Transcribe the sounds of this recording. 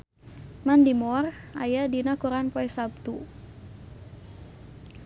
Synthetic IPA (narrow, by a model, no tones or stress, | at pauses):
mandimɔra̰jadinakuɾanpɔɛsab̚t̪u